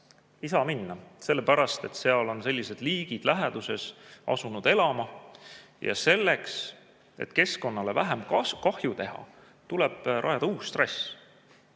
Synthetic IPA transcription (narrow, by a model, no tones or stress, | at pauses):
isɑminːɑse̞lːepæɾɑst̪e̞t̪se̞ɑlo̞nse̞lʲːise̞d̪̥liːɡ̥id̪̥læɦed̪̥use̞sʔɑ̰sunud̪̥e̞lɑmɑ | jɑ̰se̞lːe̞ks | e̞̰t̪ke̞sko̞nːɑle̞væɦemkɑhjut̪e̞ɦɑ̰ | t̪ulɛb̥ɾʔɑ̰jɑd̪̥ɑuːst̪re̞s